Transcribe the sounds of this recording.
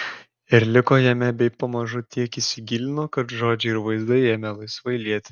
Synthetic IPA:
ɪɾlʲɪkoːjɛmʲɛbʲɛɪpɐmɐʒʊt̪ʲiɛkɪsʲɪɡʲɪlʲɪnoːkɐt̪ʒoːd͡ʒʲɛɪɾʋɐɪzd̪ɐɪeːmʲɛlˠɐɪsʋɐɪlʲiɛt̪ʲ

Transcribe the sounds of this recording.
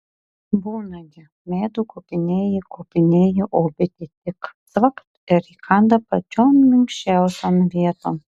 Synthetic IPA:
buːnɐɡʲɪ | mʲeːd̪uːkoːpʲɪnʲeːjikoːpʲɪnʲeːjuʔoːbʲɪt̪ʲɪt̪ʲɪksʋɐkt̪ɪɾikʰɑnd̪ɐpɐt͡ʃʲoːmmʲɪŋkʃʲt͡ʃʲæˑʊsʲoːmʋʲiɛt̪oːm

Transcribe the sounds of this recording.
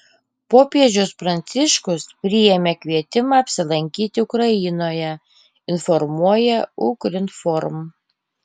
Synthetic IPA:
poːpʲiɛd͡ʒʲʊspɾɐnʲt̪sʲɪʃkʊspʲɾʲɪjɛmʲekʲʋʲiɛt̪ʲɪmɑːɐpʲsʲɪlˠɐŋʲkʲiːt̪ʲɪʊkɾɐjɪnoːjɛ | ɪnfɔɾmuɔjɛʊkɾʲɪnt̪fɔɾm

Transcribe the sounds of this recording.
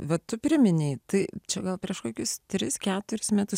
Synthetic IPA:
ʋɐt̪ʊpʲɾʲɪmʲɪnʲɛɪt̪ɐɪt͡ʃʲɛɡɐlˠpʲɾʲiɛʃkoːkʲʊst̪ʲɾʲɪskʲæːt̪ʊɾʲɪsmʲæːt̪ʊs

